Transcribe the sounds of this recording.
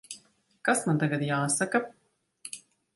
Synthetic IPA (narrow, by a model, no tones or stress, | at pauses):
kasmant̪aɡad̪jaːsaka